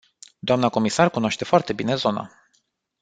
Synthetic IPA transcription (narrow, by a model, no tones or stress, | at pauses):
d̪oamnəko̞misarkunoaʃt̪e̞foart̪e̞bine̞zo̞na̰